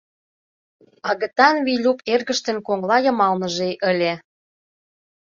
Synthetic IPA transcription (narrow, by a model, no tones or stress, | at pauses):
ɑɣə̆t̪ɑnvijlʲuperɣə̆ʃt̪ə̆nkoŋlɑjɤ̆mɑlnə̆ʒeʔə̆lʲe